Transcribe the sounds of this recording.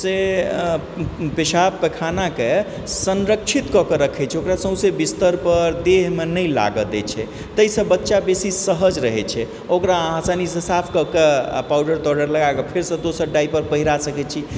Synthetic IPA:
se | peʃapːekʰanake | sənɾəkt͡ʃʰit̪kɔkəɾəkʰɛt͡ʃʰɛokɾasə̃ɦsebist̪əɾpəɾd̪eɦmenəjla̰ɡəd̪ɛ̰t͡ʃʰɛ | t̪əisə̃bətːʃabesisəɦəd͡ʒɾəɦɛt͡ʃʰɛ | okɾaɦasanisẽsapʰkəkepawɖəɾt̪ɔɖəɾləɡakəpʰeɾsə̃d̪osəɾɖaipəɾpəɦiɾasəkɛt͡ʃʰi

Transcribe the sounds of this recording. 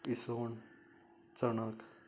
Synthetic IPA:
ison | t͡sʌnʌk

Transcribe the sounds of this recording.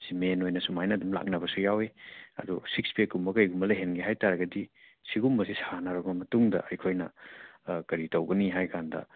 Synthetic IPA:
simenojnɐsumajnɐdumla̰k̚nɐbɐsujaweɐ̰dusik̚spekumbɐkɐjɡumbɐleɦenɡeɦajtaɾɐɡɐdisiɡumbɐsisanaɾɔbɐmɐtuŋdɐ̰ɐjkʰojnɐ̰ | kɐɾitɐwɡɐniɦajkʰandɐ̰

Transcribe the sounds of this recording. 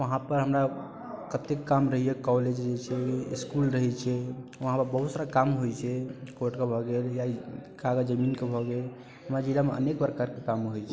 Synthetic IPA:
ʋəɦãpəɾɦəmɾa | kət̪ekːamɾəɦijɛkɔled͡ʒd͡ʒet͡ʃʰɛiskulɾəɦɛt͡ʃʰɛʋəɦãpəɾbəɦut̪səɾakamɦojt͡ʃʰɛkoʈkebʱɔɡeljakʰaɡad͡ʒəminkebʱɔɡel | ɦəmɾad͡ʒilameə̰nekpɾəkaɾkekamɦojt͡ʃʰɛ

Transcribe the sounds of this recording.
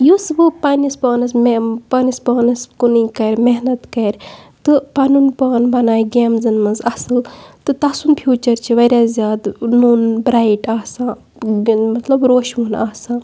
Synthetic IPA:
josɨbɨpaːnispɐːnɐsmpɐːnispɐːnɐskunikɐɾʲmeɦnɐt̪kɐɾʲt̪ɨpɐnunpɐːnbɐnaːjɡeːmzɨnmɐzɐsɨlt̪ɨt̪ɐsunpʰjuːt͡ʃɐɾt͡ʃʰiʋɐɾʲjazʲjaːd̪nuːnbɾaːjiʈaːsãː | mɐt̪lɐbɾoːʃmunaːsãː

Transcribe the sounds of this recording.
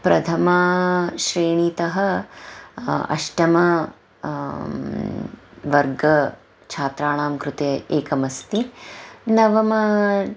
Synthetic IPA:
pɾɐt̪ʰɐmaːʃɾeːɳiːt̪ɐɦɐ | ɐ̰ʃʈɐmɐ | ʋɐɾɡɐ | t͡ʃʰaːt̪ɾaːɳaːmkɾut̪eeːkɐmɐst̪inɐʋɐmɐ

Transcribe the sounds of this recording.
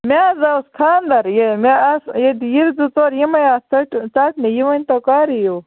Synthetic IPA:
mʲaːzawskʰaːnd̪ɐɾjemasjed̪ijiɾzut͡soːɾjimɐjaːt͡sɐʈt͡saːʈnejiwɐnʲt̪okaːɾijow

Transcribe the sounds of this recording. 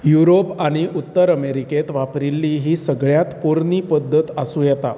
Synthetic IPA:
juɾopaɽ̃iʔut̪ːəɾəmeɾiket̪ʋapɾilːiːɦiːsəɡɭjat̪puɾniːpəd̪ʱːət̪asũːjɛt̪a̰

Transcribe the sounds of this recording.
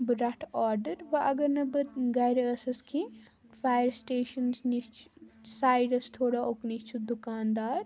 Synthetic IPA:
bɨɾɐʈʰaːɾɖəɾʋɐʔɐɡɐɾnɐbɨɡɐjɾɐsɐskʰi | faːjəɾsʈeːʃɐnsnit͡ʃʰsaːjɖɐst̪ʰoːɽaoknit͡ʃʰud̪ukaːnd̪aːɾ

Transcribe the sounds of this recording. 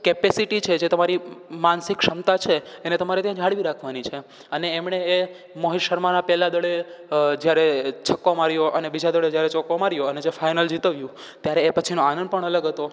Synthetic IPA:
kepesiʈit͡ʃʰed͡ʒet̪əmaɾimansɪkʃəmt̪at͡ʃʰeːnet̪əmaɾet̪jãd͡ʒʱaɽʋiɾakʰʋanit͡ʃʰe | əneːmɳeː | moɦiʃəɾmanapɛlad̪əɭed͡ʒjaɾet͡ʃʰəkːomaɾjoʔənebid͡ʒad̪əɭed͡ʒjaɾet͡ʃɔkomaɾjoəned͡ʒefajnəld͡ʒit̪əʋjũ | t̪jaɾeːpət͡ʃʰinoanənd̪pəɳələɡɦət̪o

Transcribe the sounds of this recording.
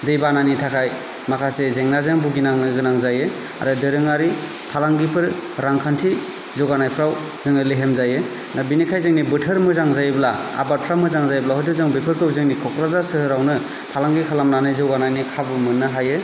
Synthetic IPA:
dɯjbananitʰakʰaj | makʰasezeŋnazeŋbuɡinaŋnɯɡɯnaŋzaje | a̰ɾɯdɯɾɯŋaɾi | pʰalaŋɡipʰɯɾ | ɾaŋkʰantʰi | zɔwɡanajpʰɾaw | z̥ɯŋɯleɦemzaje | nʔabinikʰajzɯŋnibɯtʰɯɾmɯzaŋzajbla | a̰bat̚pʰɾamɯzaŋzajblaɦɔjdɯzɯŋbepʰɯɾkʰɯwzɯŋnikʰɔkɾazasɯhɯɾawnɯ | pʰalaŋɡikʰalamnanɯjzɔwɡanajnikʰabɯmɯnːɯɦaje

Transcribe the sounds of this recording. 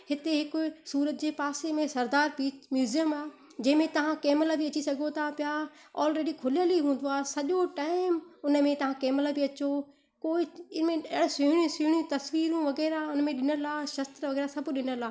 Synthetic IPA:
hɪt̪eɦɪkʊsuːɾət̪̚d͡ʑeːpaːsemẽsɐɾd̪aːɾpiːt͡ʃmjuːzijəmaː | d͡ʑɐ̃ɦɪ̃mẽt̪ɐʋ̤ãkeːmlabiɐt͡ɕisɐɡʱot̪ʰapja | ɔːlɾeːɖikʰʊləliɦũːn̆d̪oaːɦesɐʄoʈaːɪmʊnəmẽt̪ɐʋ̤ãkeːmlabʱiɐt͡ɕo | koːɪmẽɽsiɦɽ̃ũsɪɦɽ̃jĩt̪ɐsʋiːɾũʋɐɣɛːɾaʊnmẽɗɪnəlaːʃɐst̪ɾʋɐɣɛːɾasɐbʱɗɪnəlaː

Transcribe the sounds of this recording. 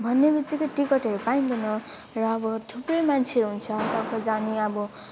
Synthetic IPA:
bʱʌnːebit̪ːikoʈikʌʈʌɾupaind̪unʌ | rʌːbʌt̪ʰuprʌjmant͡sʰeɾɦunt͡sʰʌt̪ʌkt̪ʌd͡zaniʌbʌ

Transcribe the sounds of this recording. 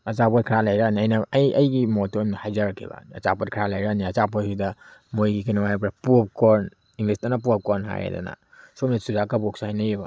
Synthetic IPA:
ɐt͡ʃapotkʰɾalajɾaniɐjnɐɐjɐjɡimotomihajzaɾɐkʰːḭbɐ̰nɐ̰t͡ʃapot̚kʰɾalajɾaniɐt͡ʃapojhidɐmojɡikʰinamajp̬ɾapup̚koɾn | iŋɡlisdanɐpuap̚koɾnɦa̰jḛda̰na̰ | somnisuzakɐbok̚saajnɐjebɐ̰

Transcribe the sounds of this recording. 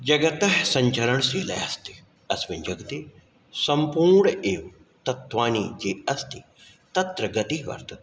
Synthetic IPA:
d͡ʒəɡət̪əsə̃ɲt͡ʃəɾəɳsiːlɛ̰ːəst̪i̥ | ɐsʋɪɲd͡ʒəɡt̪iː | səmpuːɾɳeː | t̪ɐt̪ʰːʋaːniːd͡ʒeːɐst̪iː | t̪ɐt̪ɾəɡət̪iʋɐ̰ɾt̪

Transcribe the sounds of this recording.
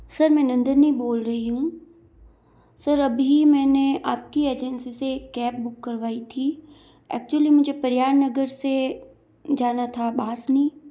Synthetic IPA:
sɐɾmɛ̃ːnɐ̃nd̪əɾniboːlɾɐɦiɦũ | sɐɾɐbimɛ̃ːneʔaːp̚kieːd͡ʒənsiseːkːɛːp̚bʊkːɐɾʋaːit̪ʰi | ɛ̰ːk̚t͡ʃuəlimʊd͡ʒʱepɐɾjaːɽnɐɡəɾse | d͡ʒaːnat̪ʰaɓaːsniː

